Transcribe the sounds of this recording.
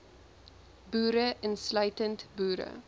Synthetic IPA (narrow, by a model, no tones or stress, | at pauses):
buːɾəʔənslœɥtəntbuːɾə̰